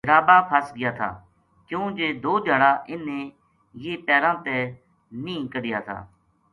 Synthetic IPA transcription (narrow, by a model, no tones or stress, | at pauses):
ɾaːbaːpʰaːsɡɪjaːt̪ʰa̰ː | kjũːd͡ʒeːd̪oːd͡ʒʱaːɽaːʔɪnːẽː | jeːpɛːɾãːt̪ɛː | nĩːkəɽɪja̰ːt̪ʰa̰ː